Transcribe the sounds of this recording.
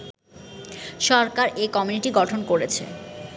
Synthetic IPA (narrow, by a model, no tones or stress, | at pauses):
ʃɔɾkaɾekɔmuniʈiɡɔʈʰonkoɾet͡ɕʰḛ